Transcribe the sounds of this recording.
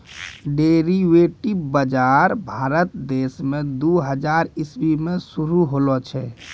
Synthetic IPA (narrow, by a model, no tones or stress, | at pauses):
ɖeɾiʋeʈibbəd͡ʒaɾbʱaɾət̪d̪esmẽd̪uɦəd͡ʒaɾisbimẽsuɾuɦolɔt͡ʃʰɛ